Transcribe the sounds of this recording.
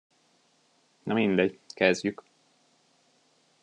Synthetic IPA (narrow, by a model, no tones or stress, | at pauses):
nɒmind̪ɛɟkɛzɟyk